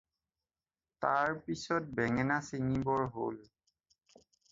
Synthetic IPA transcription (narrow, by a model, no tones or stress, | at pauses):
taɹpisɔt̚bɛŋɛnasiŋibɔɹɦo̰l